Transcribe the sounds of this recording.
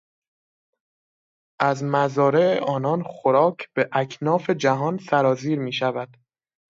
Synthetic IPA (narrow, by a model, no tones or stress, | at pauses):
ʔæzmæzɒːɾeḛʔɒːnɒːnxoɾɒːcʰb̥e̞ʔækʰnɒːfe̞d͡ʒæɦɒːnsæɾɒːziːɾmiːʃævæd̪̥